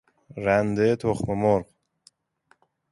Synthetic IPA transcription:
ɾand̪et̪ʰoχməmoɾq

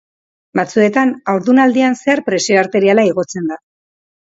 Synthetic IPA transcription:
bat͡sue̞t̪anawɾðunald̪ianseaɾpɾe̞sioaɾt̪e̞ɾialaiɣo̞t͡se̞nd̪a

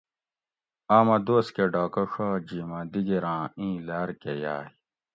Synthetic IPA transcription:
aːmɐd̪oːskeɖaːkɐʂoːd͡ʑiːmɐd̪iɡeɾãːĩːlaːɾkeja̰ːi

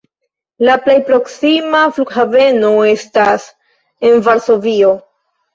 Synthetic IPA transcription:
laple̞jpɾo̞ksimafluɡhave̞no̞e̞stas | e̞nvaɾso̞vio̞

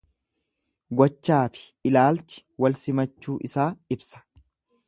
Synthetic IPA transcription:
ɡɔt͡ʃːaːfɪ̥ | ɪlaːlt͡ʃɪ̥wɐlsɪmɐt͡ʃːuːʔɪsaːɪbsɐ̥

